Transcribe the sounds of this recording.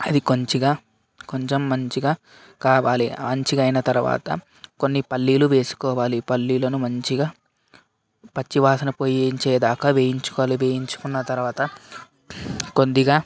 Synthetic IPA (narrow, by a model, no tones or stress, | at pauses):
ɐd̪iko̞ɲt͡ʃiɡaː | ko̞ɲt͡ʃe̞mːɐɲt͡ʃiɡaː | kaːʋaːlimɐɲt͡ʃiɡɐjnɐt̪ɐɾuʋa̰ːt̪ɐ̰ | ko̞nːipɐlːiːluʋe̞ːsu̥kɔːʋaːlipɐlːiːlɐnumɐɲt͡ʃiɡaː | pɐt͡ʃːiʋaːsɐnɐpoːjɲt͡ʃeːd̪aːkɐʋeːjiɲt͡ʃu̥kɔːliʋeːjiɲt͡ʃu̥kunːɐt̪ɐɾuʋaːt̪ɐ | kond̪iɡaː